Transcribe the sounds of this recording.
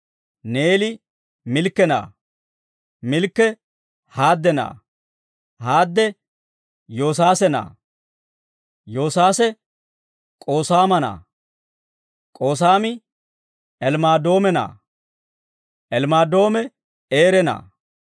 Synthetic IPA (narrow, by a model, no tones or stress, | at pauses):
neːlɪ | mɪlkːɛna̰ː | mɪlkːɛ | haːd̪ːɛna̰ː | haːd̪ːɛ | jo̞ːs̬aːsɛna̰ː | jo̞ːsaːsɛ | kʼo̞ːsaːmɐna̰ː | kʼo̞ːsaːmɪ | ɛlmaːd̪o̞ːmɛna̰ː | ʔɛlmaːd̪o̞ːmɛ | eːɾɛna̰ː